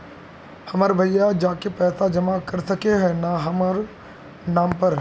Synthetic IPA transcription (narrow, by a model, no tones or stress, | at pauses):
hɐmaːɾbʱɐjːad͡ʒaːkepɛːsad͡ʒɐmakɐɾsɐkeɦɛnaɦɐmaɾ | nãːmpɐɾ